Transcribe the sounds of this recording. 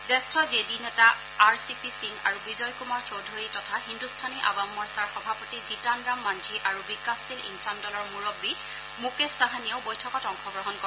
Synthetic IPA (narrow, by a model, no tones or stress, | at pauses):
zɛstʰɔzedinɛtaː | ɹsipisiŋɡaɹubizɔjkumaɹt͡ʃowdʱuɹitɔtʰahindustʰaniʔa̰ɡamːɔɹsaɹxɔbʱapɔtizitandɹamːand͡ʒʰiʔaɹubikasilḭnsandɔlɔɹmuɹɔbːi | mukesaɦanijoʊbɔjtʰɔkɔtɔŋxɔɡɹɔɦɔnkɔ